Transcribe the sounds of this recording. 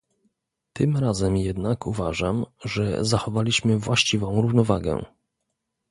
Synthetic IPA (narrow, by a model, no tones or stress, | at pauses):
t̪ɘmɾazɛmjɛd̪nakʰuvaʐamʐɛ̰zaxɔvalʲiɕmɘvwaɕt͡ɕivɔ̃w̃ɾuvnɔva̰ɡɛ̰